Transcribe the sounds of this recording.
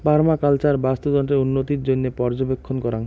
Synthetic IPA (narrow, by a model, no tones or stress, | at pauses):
paɾmakalt͡ɕaɾbast̪od̪ɔɳʈeunːot̪iɾd͡ʑonːepɔɾd͡ʑobekʰːonkɔɾan